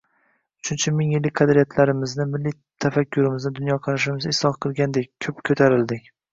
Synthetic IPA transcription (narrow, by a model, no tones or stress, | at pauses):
ʊt͡ʃʰʊnt͡ʃʰamɪŋjɪlːɪk̚ʲqʰɑd̪ɾijat̪ʰlaɾɪmɪznɪmɪlːij | t̪ʰafakʲʰːʊɾɪmɪznɪd̪ʊnjɒqʰɑɾaʃɪmɪzɪsɒχqʰɨlˠɡʲand̪ek̚ʲkʰːɵpkʰɵt̪ʰaɾɪld̪ɪkʲ